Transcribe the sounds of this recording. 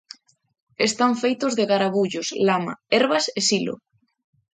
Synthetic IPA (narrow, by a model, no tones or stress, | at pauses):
est̪aɱfejt̪ozðeɣaɾaβuʎoslama̰eɾβasesilo̰